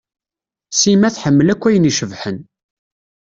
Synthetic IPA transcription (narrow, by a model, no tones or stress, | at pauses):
simæθħəmːəlækʷːæjəniʃəvħən